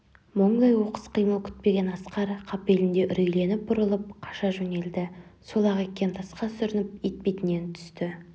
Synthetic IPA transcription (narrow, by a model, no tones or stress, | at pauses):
moɴd̪ɑjwo̞qə̥sqʰəjməlˠkʲʰʏ̥t̪̚pe̞ɡʲe̞nɑsqɑɾqʰɑpe̞lɪnd̪e̞ʔʏɾejle̞nɪp̚bʊɾəlˠəp̚qʰɑ̥ʃɑʒɵne̞ld̪ɪsolˠɑʁekʲːe̞nt̪ʰɑsqɑsʏɾɪnɪp̚ejt̪̚pejt̪ɪne̞nt̪ʰʏ̥st̪ɪ